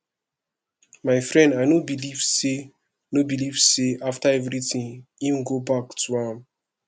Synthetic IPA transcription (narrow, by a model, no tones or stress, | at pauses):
maɪfɾɛ̃ndaɪnobilivse | nobilivseʔaftaɛvɾitĩŋĩmɡobaktʰuãm